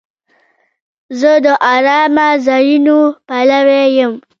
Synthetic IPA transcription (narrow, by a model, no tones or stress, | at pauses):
zəd̪əʔaɾɑmazɑjunopalawejəm